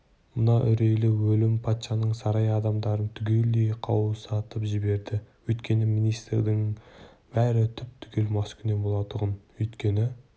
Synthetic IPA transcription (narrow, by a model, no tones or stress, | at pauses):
mənɑʔʏɾe̞jlɪwɵlɪmpʰɑt̪ʃɑnəɴsɑɾɑjɑd̪ɑmd̪ɑɾənt̪ʰʏɡʲe̞ld̪ejqʰɑwəsɑt̪əpʒɪbe̞ɾd̪ɪwɵjt̪kʲe̞nɪminijst̪ɾd̪ɪŋ | b̥æɾɪt̪ʰʏp̚t̪ʰʏ̥ɡʲe̞lmɑskʲʰʏne̞bo̞lˠɑt̪əʁənwɵjt̪kʲe̞nɪ